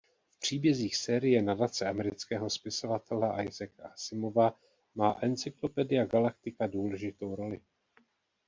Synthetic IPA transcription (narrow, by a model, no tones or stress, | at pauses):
fpr̝̥iːbjɛziːxsɛːɾɪjɛnadat͡sɛamɛɾɪt͡skɛːɦo̞spɪso̞vat̪ʰɛlɛʔajzɛkasɪmo̞va | maːʔɛnt͡sɪklo̞pɛdɪjaɡalak̚t̪ɪkaduːlɛʒɪt̪o̞wɾo̞lɪ